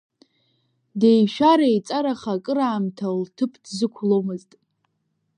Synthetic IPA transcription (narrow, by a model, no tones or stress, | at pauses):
de̞jʃᶣaɾejt͡sʼaɾaχakʼɨɾaːmtʰaltʰɨpʰdzɨkʷʰlo̞mɨztʼ